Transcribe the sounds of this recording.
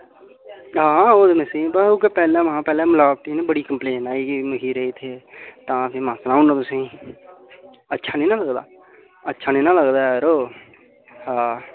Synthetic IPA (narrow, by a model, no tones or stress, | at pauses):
ɦãːãoːd̪mesĩːbaokepɛːlãːʋəɦãːpɛːlẽːmʊlaːb̚t̪inẽbəɽiːkəmpleːnaːiːkiməɦiːɾəet̪ʰeːt̪ãːpʰɪmãːsənaːunːəmʊsĩː | ətːʃʰaːnĩːnãːləɡd̪a̰ː | ətːʃʰaːnĩːnãːləɡd̪aːɾoː | hãː